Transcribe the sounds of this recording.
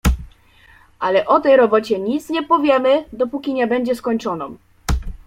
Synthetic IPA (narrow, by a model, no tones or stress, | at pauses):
ʔalɛʔɔt̪ɛjɾɔbɔt͡ɕɛɲit̪sɲɛpɔvʲjɛmɘd̪ɔpukʲiɲɛbɛɲd͡ʑɛskɔɲt͡ʂɔnɔm